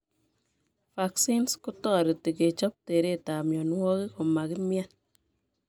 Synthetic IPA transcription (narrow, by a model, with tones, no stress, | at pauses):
fa˨ksi˦nsku˦tɔ˦˨ɾi˨ti˨ke˨t͡ʃɔ˦p̚te˨ɾe˦˨ta˨mjɔ˨nwɔ˦ki˦ko˨ma˨ki˦mja˦n